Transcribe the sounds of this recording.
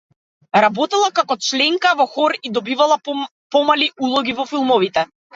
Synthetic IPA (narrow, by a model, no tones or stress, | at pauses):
ɾabɔt̪ɛlˠakakɔt͡ʃlɛŋkavɔxɔɾid̪ɔbivalˠa | pɔmaliulˠɔɡʲivɔfilˠmɔvit̪ɛ